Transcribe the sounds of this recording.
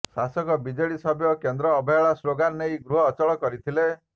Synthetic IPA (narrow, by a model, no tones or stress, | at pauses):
sasɔkɔbid͡ʒeɭisɔbjɔkend̪ɾɔːbʱɔjɔɭasɾoɡanːejɡɾuɦɔːt͡ʃɔɭɔkɔɾit̪ʰile